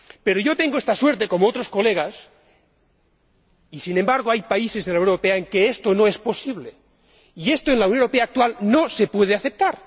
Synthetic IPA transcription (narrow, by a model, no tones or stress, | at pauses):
pe̞ɾoʝo̞t̪e̞ŋɡoe̞st̪aswe̞ɾt̪̬e̞ko̞moot̪ɾo̞sko̞le̞ɣ̞as | isinembaɾɣ̞oajpaise̞zðelawɾope̞aeŋke̞est̪o̞nõ̞e̞spo̞siβ̞le̞ | ie̞st̪oenlauwnoeɾo̞peaːk̚t̪walno̞se̞pwe̞ð̞eaθe̞p̚t̪aɾ